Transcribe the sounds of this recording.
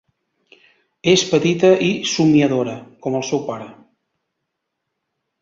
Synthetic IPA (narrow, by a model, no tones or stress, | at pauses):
espət̪it̪əʔisumiəðoɾəkɔməlˠsɛwpaɾə